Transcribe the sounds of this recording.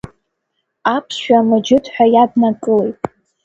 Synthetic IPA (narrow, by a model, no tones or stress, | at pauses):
apʰsʃᶣamɨd͡ʒɪtʰħʷᶣajadnakʼɨlejtʼ